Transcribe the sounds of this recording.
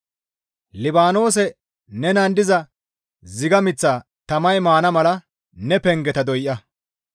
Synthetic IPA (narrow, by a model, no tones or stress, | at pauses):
lɪbaːno̞ːs̬ɛ | nɛnɐnd̪ɪzɐ | zɪɡɐmɪt͡sːaː | t̪ɐmɐjmaːnɐmɐlɐ | nɛpɛŋɡɛt̪ɐd̪ɔjʔːɐ